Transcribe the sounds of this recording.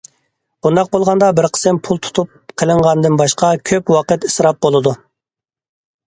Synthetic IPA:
b̥und̪ɑq̚bolˠʁɑnd̪ɑbɪɾqʰə̥sɪmpʰulˠt̪ʰu̥t̪ʰup̚qʰəlˠɨɴʁɑnd̪ɨnbɑʃqɑkʲʰøpwɑqət̪isɾɑp̚bolˠɨd̪u

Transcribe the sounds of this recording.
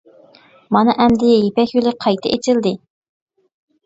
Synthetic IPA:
mɑnɨʔɛmd̪ɪjepɛkʲjylˠɪqʰɑjt̪ʰɨʔet͡ʃʰɪld̪ɪ

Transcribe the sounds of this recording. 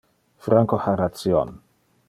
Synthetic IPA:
fɾaŋkoħaɾat̪sjɔ̰n

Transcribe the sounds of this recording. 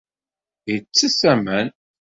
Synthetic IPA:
jt͡sːəsæmæn

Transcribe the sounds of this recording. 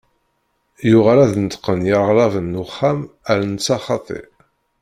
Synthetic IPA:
jʊʁaɾæðənt̪qːənjɑʁlˤɑvənːʊχːæm | æɾnət͡sːɑχɑt̪ˤḛ

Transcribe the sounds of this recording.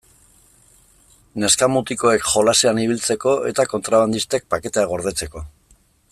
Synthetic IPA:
ne̞skamut̪iko̞e̞kʝo̞laseaniβ̞ilt͡se̞ko̞e̞̰t̪ako̞nt̪ɾaβand̪ist̪e̞k̚pake̞t̪eaɣo̞ɾð̞e̞t͡se̞ko̞

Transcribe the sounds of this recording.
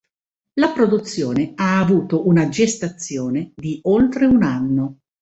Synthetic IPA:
lapɾod̪ut̪sːjoːneaːvuːt̪oʔunad͡ʒest̪at̪sːjoːned̪iolt̪ɾeunanːo

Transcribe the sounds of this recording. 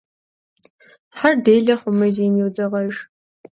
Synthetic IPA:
ħardejɮɐχʷʊmɐzenewd͡zɐʁɐʒ

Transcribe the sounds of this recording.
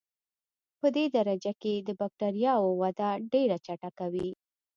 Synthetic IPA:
pəd̪ed̪aɾad͡ʒaked̪əbak̚ʈaɾjɑwowad̪aɖeɾat͡ʃaʈakawi

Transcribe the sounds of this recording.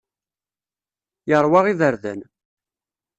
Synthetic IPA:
jəɾˤwɑʁiðəɾðæ̰n

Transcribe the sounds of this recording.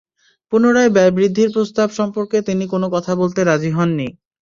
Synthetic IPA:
punoɾaebɛbɾid̪ʱːiɾpɾost̪abʃɔmpoɾket̪inikonokɔt̪ʰabolt̪eɾad͡ʑiɦɔnːi

